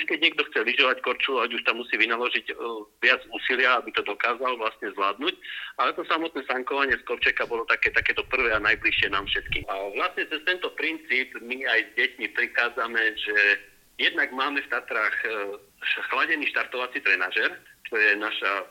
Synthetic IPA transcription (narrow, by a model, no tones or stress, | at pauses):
uʃkɛɟ̚ɲɛɡ̚d̪ɔxt͡sɛliʒɔʋackɔɾt͡ʃulaɟuʃt̪amːusiːʋinalɔʒiɟʋɪad͡zuːsilɪaabit̪ɔd̪ɔkaːzalʋlast̪ɲɛzʋlaːd̪nucalɛt̪ɔsamɔt̪nɛːsaŋkɔʋaɲɪɛskɔpt͡ʃɛkabɔlɔt̪akɛːt̪akɛːt̪ɔpr̩ʋɛːanajbliʃɪɛnaːmfʃɛt̪kḭaʋlast̪ɲɛt͡sɛst̪ɛnt̪ɔpɾint͡siːbmiajzɟɛcmipɾixaːd͡zamɛʒɛ | jɛd̪naɡmaːmɛft̪at̪ɾaːx | xlaɟɛniːʃt̪aɾt̪ɔʋat͡sit̪ɾɛnaːʒɛɾt͡ʃɔjɛnaʃa